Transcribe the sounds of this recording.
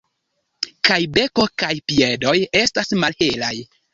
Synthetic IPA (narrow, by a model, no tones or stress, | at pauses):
kajbe̞ko̞kajpiedo̞je̞stasmalhelaj